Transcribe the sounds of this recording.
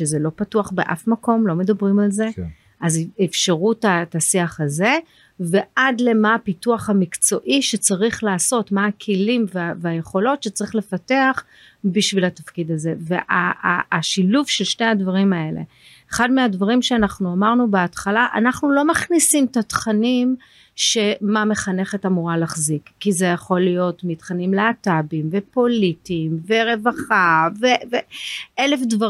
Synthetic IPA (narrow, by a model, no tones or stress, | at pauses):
ʃezelo̞patuaχbeʔa̰fmako̞mlo̞me̞dabʁimalze̞ | ʔazefʃeʁutatasiaχaze̞ | ve̞ʔadle̞maːpituaχhamikt͡so̞ʔiʃet͡saʁiχlaːso̞tmaakʰilimveaveajeχo̞lo̞tʃet͡saʁiχle̞fate̞aχ | biʃvilatafkidaze̞ve̞̰ʔa̰aːʃiluvʃe̞lʃne̞advaʁimae̞le̞̰ | eχadmeadvaʁimʃeanaχnuamaʁnubeatχalaʔa̰naχnulo̞maχnisimtatχanim | ʃe̞mame̞χane̞χe̞tamuʁalaχzikːizejaχo̞lijo̞tmitχanimleatabimve̞po̞litimveʁe̞vaχaveveelefdva